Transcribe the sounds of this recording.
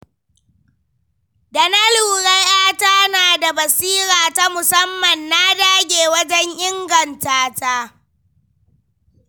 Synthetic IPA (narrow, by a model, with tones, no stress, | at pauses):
da˨na˦luː˨ɽɐ˦jʔaː˦ta˦naː˨da˨bɐ˨siː˦ɾaː˨ta˦mʊ˨sɐ˦mːɐ˨nːa˦daː˦ɡʲeː˨wɐ˦d͡ʒɛ˦ɲʔɪ˦ŋɡɐ˨ntaː˦ta˦